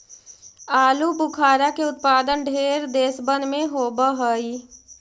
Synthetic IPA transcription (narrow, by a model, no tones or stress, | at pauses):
aːlubʊkʰaːɾakeʊt̪̚paːd̪ənɖʱeːɾd̪eːsbə̃nd̪mẽɦoːbaɦoi